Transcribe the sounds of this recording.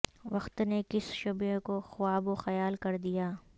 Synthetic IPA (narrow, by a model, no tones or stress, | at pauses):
ʋɐxt̪nekɪsʃʊbekoxʊwaːboxɐjaːlkɐɾd̪ijaː